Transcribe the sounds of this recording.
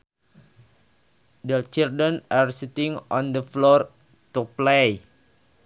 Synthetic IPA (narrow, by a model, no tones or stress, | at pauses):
d̪ət͡ʃirdənarsit̪iŋɔnd̪əflɔr | t̪uplej